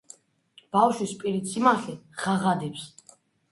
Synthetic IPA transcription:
b̥afʃwispʼiɾit̪sʰʼimaχɛʁ̥aʁad̪ɛps

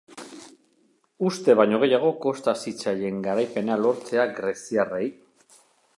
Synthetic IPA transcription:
ust̪e̞βajɲo̞ɣ̞e̞jaɣ̞o̞ko̞st̪asit͡saʎe̞ŋɡaɾajpe̞nalo̞ɾt͡se̞aɡɾe̞siarej

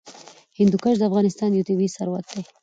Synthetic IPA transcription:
hɪnd̪ukaʒd̪əafɣɑnɪst̪ɑnjut̪ibisaɾwa̰k̪̚d̪ej

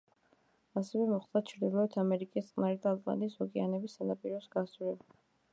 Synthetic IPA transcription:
asɛvɛmɔχd̪at͡ʃʰɾd̪ilˠɔɛt̪ʰamɛɾikʼist̪qʼnaɾid̪aːlˠqʼa̰niːsɔkʼɛanɛbisanapʼiɾɛsɡasuɾɛb

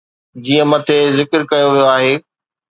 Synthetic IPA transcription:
d͡ʑiːə̃mɐt̪ʰezɪkəɾkɐjoʋijoaːɦeː

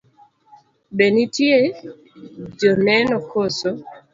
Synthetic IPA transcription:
benitje | d͡ʒɔnɛnɔkoso

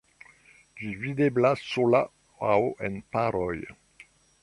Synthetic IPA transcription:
d͡ʒivid̪eblasola | awoʔḛnpaɾɔj

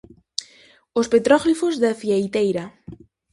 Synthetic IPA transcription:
ospet̪ɾɔɣlifozðaθjajt̪ejɾɐ

